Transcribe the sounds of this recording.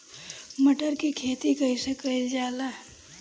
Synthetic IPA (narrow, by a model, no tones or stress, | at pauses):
məʈəɾkikʰet̪ikəisəkəjd͡ʒaːla